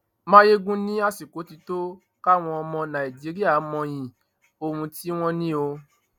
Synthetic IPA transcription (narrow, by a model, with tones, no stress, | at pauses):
mãː˦je˦ɡũ˦nĩ˦a˦si˨ko˨˦ti˧to˦ | ka˦w̃ɔ̃˧ɔ˧mɔ̃˧nã˨i˨d͡ʒi˨˦ɾi˦a˦˨˦mɔ̃˧j̃ĩ˨ | o˧hũ˧ti˦w̃ɔ̃˦nĩ˦o˧